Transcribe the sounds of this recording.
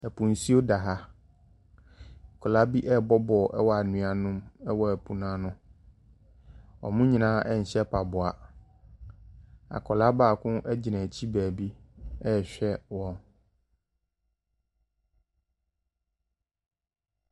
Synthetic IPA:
ɛ˨pʰũ˨n̩˨si˦o˦da˨ɦa˦˨ | kʰɔ˨la˦bi˦ʔɛ˦˨bɔ˦bɔ˨ʔɛ˦wɔ˦a˨nũ˨a˨nʊ̃˦mɛ˦wɔ˨æ˨pʰu˨nã˦nʊ̃˦ | ɔ̰˨mʊ̃˦ɲĩ˨nãː˦ʔɛ˦ɲ̩˨ɕɛ˦pʰa˨bʊ˨a˨ | a̰˨kʰɔ˨la˦baː˦˨kʰʊ̃˦ʔɛ˦d͡ʑɪ˨nɛ̃˨t͡ɕʰi˦bæː˨bi˦ɛ˦˨ɕᶣɛ˦wɔ̃˦n

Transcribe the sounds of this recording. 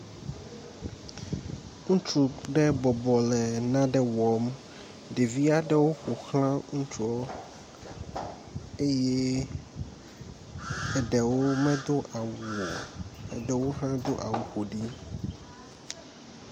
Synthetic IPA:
ŋũ˦t͡ʃu˨ɖɛ˦bɔ˨bɔ˨lɛ˨nã˦ɖɛ˦wɔ˨m | ɖe˨vi˦a˦ɖɛ˦wo˦xo˨xlã˦ŋũ˦t͡ʃu˦ɔ˦ | e˦je˦ | ɛ˨ɖɛ˨wo˦mɛ̃˦d̪o˦ʔa˨wu˨ɔ˨ɛ˨ɖɛ˨wo˦ɦã˦d̪o˦ʔa̰˨wu˨xo˨ɖi˦

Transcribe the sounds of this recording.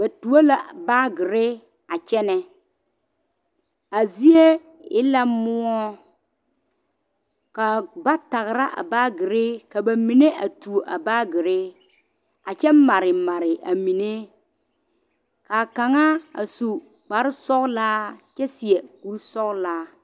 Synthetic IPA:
ba˨tu˨a˦la˨baː˦ɡɪ˨ɾɪ˦ | a˨t͡ʃɛ˦nɛ˨ | a˨zi˦e˦ | ɪ̰˦la˦mʊ˦ɔ˦ | ka˨ba˦ta˨ɣɪ˨ɾa˦ʔa̰˨baː˦ɡɪ˨ɾɪ˦ka˨ba˨mi˨ne˦ʔa˨tu˨o˨ʔa˨baː˦ɡɪ˨ɾɪ˦ | a˨t͡ʃɛ˦m˦ma˨ɾɪ˨ma˨ɾɪ˨a˨mi˨ne˦ | ka˨ka˨ŋa˦a̰˨su˨ | k͡pa˨ɾɪ˦sɔ˦klaː˦t͡ʃɛ˦si˨e˨ku˨lsɔ˦klaː˦

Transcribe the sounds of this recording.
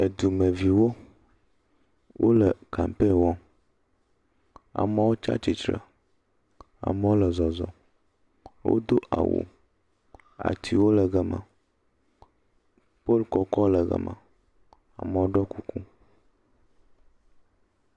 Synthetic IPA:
e˨d̪u˨mə˨vi˨wo˦ | wʔo˦lə˨ka˨m˨pe˦wɔ̃˦ | a̰˨mə˨wo˦t͡ʃa̰˦t͡ʃi˨t̪ɾə̰˨ | a̰˨mə˨wo˦lə˨zɔ˨zɔ̰˨ | wo̰˦d̪o˦ʔa̰˨wo̰˨ | a̰˨t̪ʰi˨wo˦lə˨ɡə˦mə̰̃˨ | po˦lkɔ˨kɔ˦lə˨ɡə̰˨mə̰˨ | a̰˨mə˨wo˦ɖɔ˦ku˦ku˦

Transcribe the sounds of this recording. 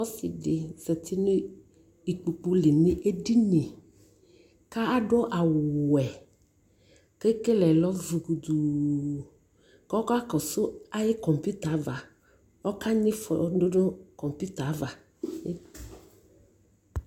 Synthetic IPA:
wɔ˦sḭ˨ɖe˨sɛ˨t̪ʰi˦ne˦ | i˨k͡pu˨k͡pu˦le˨nĩ˦ʔe˦di˦nẽ˨ | ka˦a˦ɖɔ˦ʔa˨wɛ˨ | ke˦ke˦lɛ˨lɔ˦vu˨ɡu˨d̪u˨ | kɔ˦ka˦kɔ˨so˦a˦je˦kɔ˨mpu˦t̪a˨˦va˨ | wɔ˦ka˦ɲĩ˦fɔ̰˨do˦ɖo˦kɔ˨mpu˦t̪a˨˦va˨˦

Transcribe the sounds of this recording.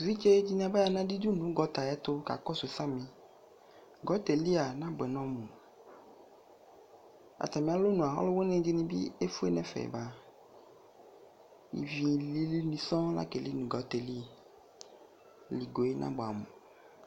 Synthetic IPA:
u˨vi˦t͡ʃe˦d͡ʒi˦nĩ˦a˨ba˦ja˧nã˦di˦d͡ʒu˦nũ˨˦ɡɔ˨t̪a˨jɛ˦t̪o˦ka̰˨kɔ˦so˨˦sã˦mĩ˨ | ɡɔ˨˦t̪e˨li˦a˨nã˦bɛ˨nɔ̃˦mũ˨ | a̰˨t̪a˨mĩ˨a˦lo˦nũ˨a˨ɦɔ̰˦lo˦wo˦nẽ˦d͡ʒe˦nĩ˧bḭ˦e˦fu˦e˦nɛ̃˦fɛ̰˨ba˨ | ḭ˨vi˨li˦li˦mĩ˧sɔ̃˦la̰˦ke˨li˦nũ˨ɡɔ˨˦t̪ɛ˨li˦˨ | li˨ɡo˨e˦nʔã̰˦bo˨a̰˨mṵ̃˨

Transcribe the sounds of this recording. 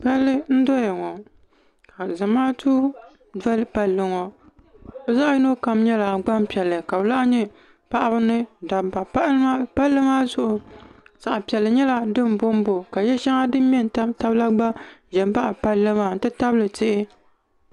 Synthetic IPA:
pa˦lːɨ˦n̩˦do˦ja˨ŋɔ˨ | ka˨za˨maː˦tʰuː˦ | dɛ˦lɨ˦pa˦lːɨ˦ŋɔ˨ | bɛ˦za˦ʔjɪ˦no˦ka˨m˦ɲɛ˦la˨ɡ͡ba˦m˦pi˨ɛ˨lːɨ˨ka˨bɨ˨la˦ʔɲɛ˦ | pa˦ʔa˦bɨ˦nɨ˦da˨ba˨pa˦a˦pa˦lːɨ˦maː˦zʊ˦ʔʊ˨sa˨ʔa˨pi˨ɛ˨lːɨ˨ɲɛ˦la˨dɨ˦m˨bo˦m˦bo˨ka˨jɛ˦ʃɛ˦ŋa˦dɨ˦m˦mɛ˦n˨ta˦ta˦bla˦ɡ͡ba˦ʒɛ˨m˦ba˦ʔa˨pa˦lːɨ˦ma˨n̩˦tɨ˦ta˦blɨ˨tɪ˦ʔɪ˦

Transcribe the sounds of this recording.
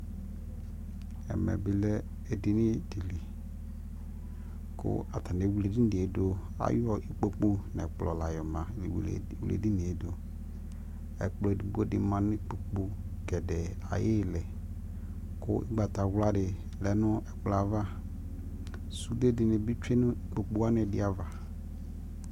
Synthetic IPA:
ɛ̰˨mɛ̰˨bɪ˨lɛ˦ | e˨dɪ˨nɪ˦di˨li˨ | kʊ̰˦a˨tʰa˨nɛ˨wu˨le˨di˦n˦dɪ˨e˨˦do˨ | a̰˦jɔ˦ʔi˦k͡po˦k͡po˦nɛ̰˨k͡plɔ˨la˨jɔ˨mã˨ | wu˨lḛ˨di˦nɪ˨e˦do˨ | ɛ̰˨k͡plɔ˨di˨ɡ͡bo˦dɪ˨mã˨nʊ̃˦k͡po˨k͡po˦ | ɡɛ˨dɛ˨ | a̰˨je˦lɛ˨ | kʊ˦ʔɪ̰˦ɡ͡ba˨t̪a˨ɣla˦dɪ˨ | lɛ˨nʊ̃˦ɛ˨k͡pla˨va˦ | su˦de˦dɪ˨nɪ˨bi˦t͡ʃe˦nʊ̃˦i˦k͡po˨k͡po˦a˦nɛ˨dɪ˦a˨va˨

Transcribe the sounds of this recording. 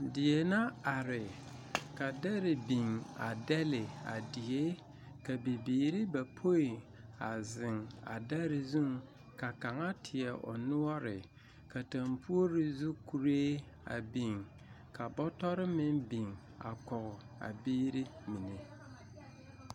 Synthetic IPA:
dɪ˨e˨na˦a˨ɾɪ˨ | ka˨dɛ˦ɾɪ˨bi˨ŋa̰˨dɛ˦lɪ˨a̰˨di˨e˦ | ka˨bi˨biː˨ɾi˦ba˨pʰo˦i˨ | a˨zɪ˨ŋa̰˨dɛ˦ɾɪ˨zu˦ŋ | ka˨ka˨ŋa˦tʰɪ˨ɛ˨ʔɔ̰˨nʊ˦ɔ˦ɾɪ˨ | ka˨ta˨mpʰu˦o˦ɾi˦zu˦ku˨ɾeː˦ | a̰˨bi˨ŋ | ka˨bɔ˦tɔ˦ɾɪ˦mɪ˦nbi˨ŋ | a̰˨kɔ˨ɣʊ˨ | a̰˨biː˦ɾi˦mi˨ne˨

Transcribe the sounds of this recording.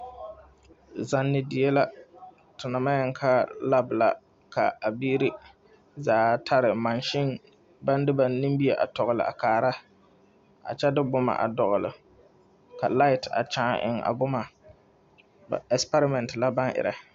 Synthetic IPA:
za˨nːɪ˨di˨je˦la˦ | tʊ˨na˨ma˦jɛ˦ŋkʰa˦la˦bla̰˦ | kʰa̰˨a˨biː˦ɾi˦ | zaː˨˦tʰa˦ɾɪ˨ma˨nʃɪ˦n | ba˦ndɪ˦ba˨ni˦mbi˦e˨ʔa̰˨tɔ˨ɣʊ˨lɪ̰˨ʔa̰˨kaː˨ɾa˦ | a̰˨t͡ʃɛ˦dɪ˦bʊ˦ma̰˨ʔa̰˨dɔ˨ɣʊ˨lɪ̰˨ | ka̰˨la˦ɪ˨ta̰˨t͡ʃãː˨˦˨ʔɪ̰˨ŋʔa̰˨bʊ˦ma˨ | ba̰˨ɛ˨spa˦ɾɪ˦mɛ˨ntla˦ba˦ŋʔɪ̰˨ɾa˨

